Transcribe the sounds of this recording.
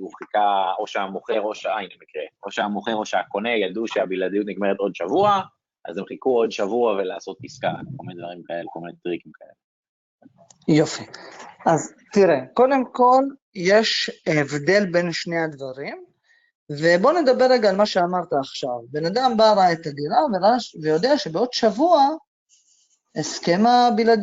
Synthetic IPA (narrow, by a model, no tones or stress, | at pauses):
uχikao̞ʃeamoχeʁo̞ʃainlemikʁeo̞ʃeamoχeʁo̞ʃeako̞ne̞jad̪uʃeabilad̪ijut̪niɡme̞ʁet̪o̞d̪ʃavua | ʔa̰zemχikuo̞d̪ʃavuavelaːso̞t̪̚iska̰kolmined̪vaʁimkae̞lekolminet̪ʁikimkae̞̰le | jo̞fiʔaz | t̪iʁeko̞d̪emko̞l | je̞ʃevde̞lbe̞nʃne̞ad̪vaʁim | ve̞bo̞ned̪abeʁeɡaːlmaʃeamaʁt̪aːχʃavbe̞nad̪ambaʁaet̪aɡiʁaveʁavejo̞d̪eaʃe̞beo̞d̪ʃavua | eskemabilad̪